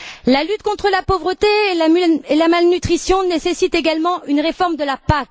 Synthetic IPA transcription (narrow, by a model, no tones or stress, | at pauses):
lalyt̪̚kɔ̃t̪χəlapovʁət̪elamelamalnyt̪χisjɔ̃nesesit̪eɡalmɑ̃ynʁefɔʁmd̪əlapak